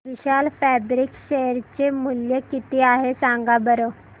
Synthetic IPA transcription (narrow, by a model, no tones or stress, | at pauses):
ʋiɕalfæbɾikɕeɾt͡ɕemuljəkit̪iaɦesãŋɡabəɾo